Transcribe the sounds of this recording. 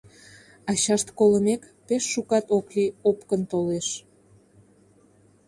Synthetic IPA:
ɑɕɑʃt̪koləmek | peʃːukɑt̪okliopkənt̪oleʃ

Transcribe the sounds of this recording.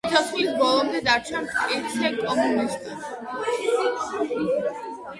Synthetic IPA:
t̪ʰɔsvisbɔlˠɔmd̪ɛd̪aɾt͡ʃʰansiɾsʰɛkʼɔmunist̪ʼi

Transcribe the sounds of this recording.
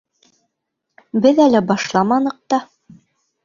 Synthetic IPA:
bɘðælæbɑʃlˠɑmɑnɤ̆q̚t̪ɑ

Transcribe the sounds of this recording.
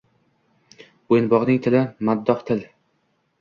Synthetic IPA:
ojɪnbɒʁnɪŋt̪ʰɪlɪmad̪ːɒqt̪ʰɪl

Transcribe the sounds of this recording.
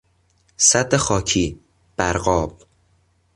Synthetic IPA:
sæd̪ːexɒːcʰiː | b̥æɾɢɒːb̥̚

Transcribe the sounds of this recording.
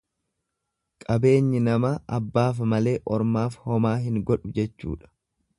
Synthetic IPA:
kʼɐbe̞ːɲːɪnɐmɐʔɐbːaːfɐmɐle̞ːʔɔɾmaːfhɔmaːɦɪŋɡɔᶑʊd͡ʒɛt͡ʃːṵːᶑɐ̥

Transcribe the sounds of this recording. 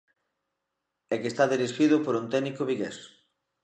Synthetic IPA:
ɛkest̪aðiɾisʃiðʊpoɾunt̪ɛnikoβiɣḛs

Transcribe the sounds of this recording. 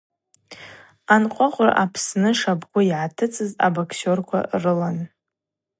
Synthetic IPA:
anqʷʼʊqʷʼra̰ʔapʰsnɨʂabɡʷʊiʕatʰɨt͡sʼɨza̰bakʰsorkʷʰa̰rɨlan

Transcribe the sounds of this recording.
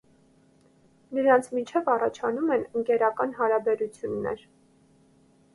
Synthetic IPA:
nəɾɑnt͡sʰmint͡ʃʰɛvɑrɑt͡ʃʰɑnumɛnəŋkɛɾɑkɑnɦɑɾɑbɛɾut͡sʰjunːɛ̰ɾ

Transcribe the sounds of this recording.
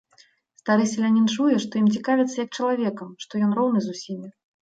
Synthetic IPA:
st̪aɾɨsʲɐlʲanʲint͡ʂujɛʂt̪ɔjimt͡sʲikavʲit̪sːɐjɐk̚t͡ʂɐlˠavʲɛkɐmʂt̪ɔjɔnrɔwnɨzusʲimʲi

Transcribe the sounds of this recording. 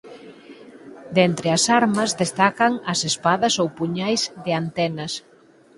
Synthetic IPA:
d̪ent̪ɾɪɐsaɾmɐzðest̪akɐŋɐsespaðɐsowpuɲajzðɪant̪ɛnɐs

